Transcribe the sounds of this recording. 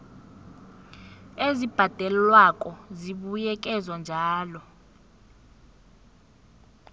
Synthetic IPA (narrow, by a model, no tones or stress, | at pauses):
ezib̥ʱad̥ʱɛllwakʼɔziɓujɛk̬ʼɛzwand͡ʒʱaːlɔ